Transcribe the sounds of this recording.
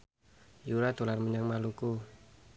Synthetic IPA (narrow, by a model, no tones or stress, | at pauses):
juɾat̪ularməɲaŋmaluku